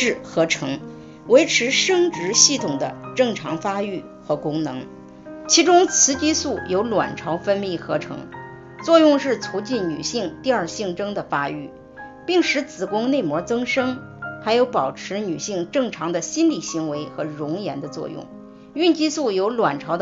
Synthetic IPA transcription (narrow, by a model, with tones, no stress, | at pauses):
ɻ̩˥˩xɤ˧˥ʈ͡ʂʰɤ˧˥ŋ | we˧˥ɪʈ͡ʂʰɻ̩˧˥ʂɤ˥ŋʈ͡ʂɻ̩˧˥ɕi˥˩t̪ʰʊ˨˩ŋd̪ə̰˦ʈ͡ʂɤ˥˩ŋʈ͡ʂʰɑ˧˥ŋfa˥y˥˩ | xɤ˧˥˩kʊ˥ŋnɤ˧˥ŋ | t͡ɕʰi˧˥ʈ͡ʂʊ˥ŋt͡sʰɹ̩˧˥t͡ɕi˥su˥˩jo˧˥ʊlwa̰˨˩nʈ͡ʂʰɑ˧˥ʊfə˥nmi˥˩xɤ˧˥ʈ͡ʂʰɤ̰˧˥ŋ | t͡swɔ˥˧jʊ˥˧ŋʂɻ̩˥˩t͡sʰu˧˥t͡ɕi˥˩nny̰˨˩ɕi˥˧ŋt̪i˥˧aə˞˥˧ɕi˥˩ŋʈ͡ʂɤ˥ŋd̪ə˨fa˥y̰˥˩ | pi˥˩ŋʂɻ̩˧˥t͡sɹ̩˨˩kʊ˥ŋne˥˩ɪmwɔ˧˥t͡sɤ˥ŋʂɤ˥ŋ | xa˧˥ɪjo˧˥ʊpɑ˨˩ʊʈ͡ʂʰɻ̩˧˥ny˨˩ɕi˥˧ŋʈ͡ʂɤ˥˩ŋʈ͡ʂʰɑ˧˥ŋd̪ə˧ɕi˥nli˨˩ɕi˧˥ŋwe˧˥ɪxɤ˧˥ɻʊ˧˥ŋjɛ̰˧˥nd̪ə˧t͡swɔ̰˥˧jʊ̰˥˩ŋ | y˥˧nt͡ɕi˥su˥˩jo˧˥ʊlwa˨˩nʈ͡ʂʰɑ˧˥ʊd̪ə˧